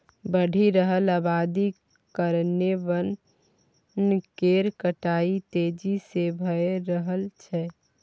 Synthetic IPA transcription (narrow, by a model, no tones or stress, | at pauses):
bəɽ̤ʱiɾəɦəlaːbad̪i | kəɾnebən | nkeɾkəʈaːit̪eːd͡ʒisebʱəeɾəɦəlt͡ʃʰɛ